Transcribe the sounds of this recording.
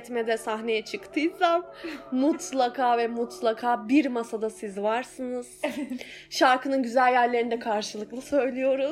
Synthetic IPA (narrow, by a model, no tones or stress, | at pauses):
t̪mɛd̪ɛsaɦne̞jɛt͡ʃʰɯkt̪ʰɯjsammut̪lˠakʰaːvɛmut̪ʰlˠakʰaːbiɾmasad̪asizvaɾsɯnɯz̥ | ʃaɾkʰɯnɯnɟyzælʲjæɾlʲeɾind̪ɛkʰaɾʃɯlˠɯklˠɯsø̞jlʲijo̞ɾu